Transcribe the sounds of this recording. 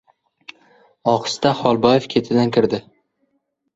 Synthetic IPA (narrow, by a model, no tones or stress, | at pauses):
ɒqɨ̥st̪aχɒlˠbɒjefkʲʰe̞t̪ʰɪd̪ankʲʰɪɾd̪ɪ